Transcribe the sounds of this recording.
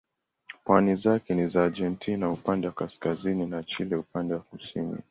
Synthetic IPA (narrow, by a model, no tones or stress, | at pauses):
pwanizakɛnizaːd͡ʒɛntʰinaupandɛwakaskazininat͡ʃilɛupandɛwakusinḭ